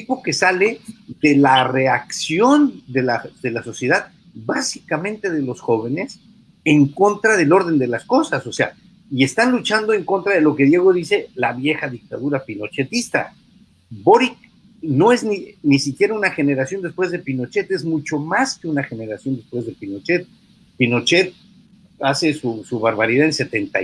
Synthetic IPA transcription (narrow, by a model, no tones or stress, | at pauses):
t̪ipo̞ke̞sale̞ðe̞lare̞aksjo̞nd̪e̞laðe̞laso̞sje̞ðað | basikamẽ̞nt̪e̞ð̞e̞lo̞sxo̞β̞e̞ne̞s | e̞ŋko̞nt̪ɾaðe̞lo̞ɾð̞e̞nd̪e̞lasko̞saso̞se̞a̰ | ie̞st̪anlut͡ʃand̪o̞e̞ŋko̞nt̪ɾað̞e̞lo̞ke̞ðje̞ɣ̞o̞ðise̞laβje̞xaðik̚t̪aðuɾapino̞t͡ʃe̞t̪ist̪a̰ | bo̞ɾik | no̞e̞zninisikje̞ɾaunaxe̞ne̞ɾasjo̞nd̪espwe̞zðepino̞t͡ʃe̞t̪ezmut͡ʃo̞maske̞unaxe̞ne̞ɾasjo̞nd̪e̞spwezðe̞pino̞t͡ʃet̪̚ | pino̞t͡ʃe̞t̪̚ | ase̞susuβaɾβaɾiðaðense̞t̪e̞nt̪a